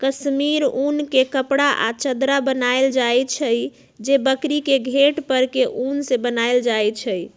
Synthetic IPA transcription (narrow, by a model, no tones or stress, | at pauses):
kəsmiɾunkekəpɽaʔa̰t͡ʃəd̪ɾabənaeld͡ʒajt͡ʃʰəj | d͡ʒebəkɾikeɡʱeʈpəɾkeʔunsebənald͡ʒajt͡ʃʰəj